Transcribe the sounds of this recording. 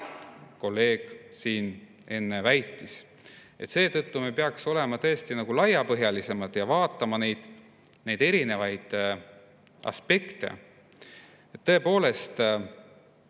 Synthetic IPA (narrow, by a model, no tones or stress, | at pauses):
ko̞lːe̞ːɡ̥siːn | e̞nːe̞væjt̪ːˑis | e̞̰t̪se̞ːt̪ɤt̪ːumejpe̞ɑkso̞le̞mɑt̪ɤest̪inɑɡ̥ulɑjɑpɤɦjɑlise̞mɑd̪̥jɑvɑːt̪ːˑɑmɑne̞jd̪̥ | ne̞jd̪̥e̞ɾine̞vɑjd̪̥ | ɑ̰spe̞kt̪e̞̰ | et̪ːɤe̞po̞ːle̞st̪